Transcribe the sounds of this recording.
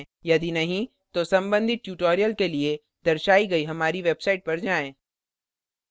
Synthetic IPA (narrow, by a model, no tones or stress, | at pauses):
jɐd̪inɐɦĩ | t̪osɐ̃mbə̃nd̪ʱɪt̪̚ʈjuːʈoːɾijəlkelie | d̪ɐɾʃaːiɡɐiɦɐmaːɾiʋeːbsaːɪʈ̚pɐɾd͡ʒaːẽː